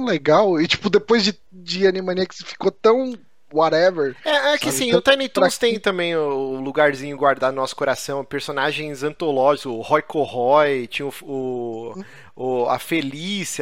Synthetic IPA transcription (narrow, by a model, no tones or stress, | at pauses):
leɡawɪt͡ʃi̥pʊd̪epojzd͡ʒɪ | d͡ʒɪɐ̃nimɐ̃niɐksɪ̥fi̥kot̪ɐ̃w̃ | wɔɾɛveɾɛɛkɪasĩʊt̪ɐ̃nit̪od̪ʊst̪ẽj̃t̪ɐ̃mbẽj̃ʊːluɡaɾzĩɲʊɡwaɾd̪ad̪ʊnɔsʊ̥koɾasɐ̃w̃ʊpeɾsonaʒẽj̃zɐ̃t̪olɔʒikʊhɔjkohɔjt͡ʃĩj̃ʊfʊ | ʊɐ̰felis